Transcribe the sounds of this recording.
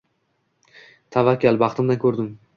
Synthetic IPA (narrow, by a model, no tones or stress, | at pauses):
t̪ʰavakʲʰːalbɑχt̪ʰɪmd̪ankʰɵɾd̪ɪm